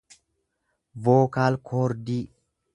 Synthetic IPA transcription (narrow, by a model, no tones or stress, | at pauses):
voːkaːlkʰoːɾd̪iː